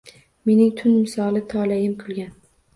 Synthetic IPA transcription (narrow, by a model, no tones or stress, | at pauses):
me̞nɪŋt̪ʰʊnmɪsɒlˠɪt̪ʰɒlajɪmkʰʊlˠɡʲan